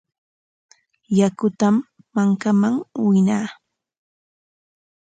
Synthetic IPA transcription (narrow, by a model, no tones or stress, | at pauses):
jakʊt̪amː | aŋkamaŋwɪnaː